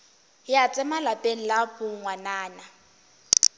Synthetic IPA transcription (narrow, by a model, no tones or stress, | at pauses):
jat͡sʼɛmalapʼen̩lapʊŋŋwanaːna